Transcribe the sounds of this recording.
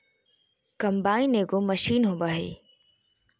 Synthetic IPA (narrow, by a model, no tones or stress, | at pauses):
kɐmbaːĩneːɡomɐʃiːnɦõːbaːɦḛː